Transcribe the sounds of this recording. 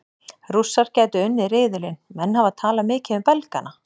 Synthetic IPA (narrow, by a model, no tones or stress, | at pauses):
rusːaɾ̥cɛːt̪ʏʏnːɪɾeːðʏlɪnmɛnːhavaðt̪ʰaːlamɪːcɪʏmpɛlka̰na